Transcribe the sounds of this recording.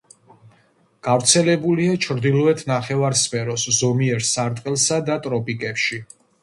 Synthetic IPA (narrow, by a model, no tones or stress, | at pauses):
ɡ̥avɾt̪sʰɛlɛbuliat͡ʃʰɾd̪ilˠɔɛt̪ʰnaχɛvaɾspʰɛɾɔszɔmiɛɾsaɾt̪ʼqʼɛlˠsad̪at̪ʼɾɔpʼikʼɛpʃi